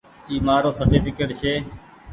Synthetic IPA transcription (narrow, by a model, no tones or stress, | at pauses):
iːmaːɾoːsəʈeːʈɪkeːʈʃeː